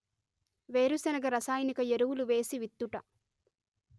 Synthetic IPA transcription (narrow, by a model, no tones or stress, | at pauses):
ʋe̞ːɾusɛnɐɡɐɾɐsaːjnikɐjeɾuwuluʋe̞ːsiʋit̪ːuʈɐ